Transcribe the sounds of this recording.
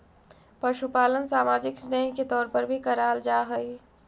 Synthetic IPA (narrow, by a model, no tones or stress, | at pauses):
pɐʃupaːlənsaːmaːd͡ʒɪksnɛ̃ːŋket̪ɔːɾpəɾbʱikɐɾaːld͡ʒaːɦəi